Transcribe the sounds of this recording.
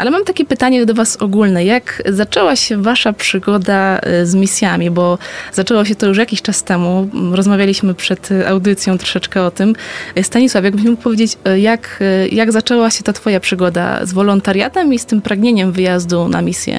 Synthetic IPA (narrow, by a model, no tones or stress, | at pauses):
a̰lɛmamt̪akʲɛpɘt̪aɲɛd̪ɔvasɔɡulnɛjakzat͡ʂɛwaɕɛvaʂapʂɘɡɔd̪azmʲisʲjamʲibɔz̥at͡ʂɛwɔɕ̬ɛt̪ɔjuʂjakʲiɕt͡ʂast̪ɛmuɾɔzmavʲjalʲiɕmɘpʂɛt̪a̰wd̪ɘt̪sʲjɔ̃w̃t̪ɾɔ̥ʂɛt͡ʂkɛɔt̪ɘmst̪aɲiswafʲjaɡbɘɕmɛmuk̚pɔvʲjed͡ʑet͡ɕjakjaɡzat͡ʂɛwaɕɛt̪at̪fɔjapʂɨɡɔd̪a̰zvɔlɔnt̪aɾja̰t̪ɛmist̪ɘmpɾaɡɲeɲɛmvɘjazd̪unʔa̰mʲisʲjɛ̰